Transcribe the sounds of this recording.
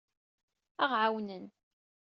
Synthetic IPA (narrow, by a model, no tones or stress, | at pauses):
æʁʕawnən